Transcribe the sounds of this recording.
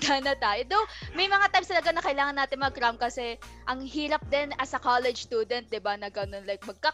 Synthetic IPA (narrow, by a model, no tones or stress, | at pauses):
d̪anɐt̪aːjod̪omɐjmɐŋat̪ajmst̪ɐlɐɡanɐkɐʔɪlaːŋɐnːaːt̪ɪnmɐɐkɾamkɐsɛʔɐŋhiːɾɐp̚d̪ɛnɐsɐkalɛd͡ʒst̪uːd̪ɛnt̪̚d̪ɪbanɐɡɐno̞nlajk̚mɐɡ̚ka